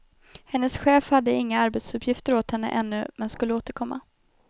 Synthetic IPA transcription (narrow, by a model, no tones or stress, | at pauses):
hɛnːəsɧeːfhad̪ːəɪŋːaaɾbeːt̪sɵpʰːjɪft̪əɾoːt̪hɛnːə̰ʔɛnːɵmɛnskɵlːəoːt̪əɾkʰɔmːa̰